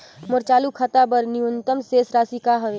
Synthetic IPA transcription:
moɾt͡ʃaːlukʰat̪abəɾniʊnt̪əmseːsɾaːsikaɦəʋeː

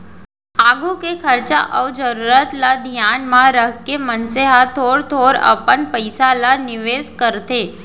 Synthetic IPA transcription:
aɡukekʰəɾt͡ɕaʔəʋd͡ʒəɾuɾət̪lad̪ʱjanmãɾəɦkemənseɦat̪ʰoɽt̪ʰoɾə̰pəɳpəjsalaniʋeskəɾt̪e

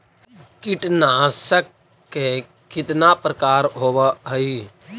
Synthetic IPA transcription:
kɪʈnasəkː | e | kɪt̪napɾəkaːɾɦoːʋəɦəi

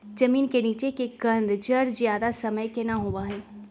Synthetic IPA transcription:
d͡ʒɐmiːnkeniːt͡ʃekeɡɐ̃nd̪d͡ʒɐɾzjaːd̪asɐməjkenaɦoːʋaɦɛ̃ː

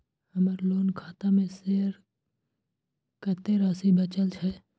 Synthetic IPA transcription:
həməɾloːnkʰaːt̪amẽseːəɾ | kət̪eɾaːsibət͡ʃəlt͡ʃʰɛ

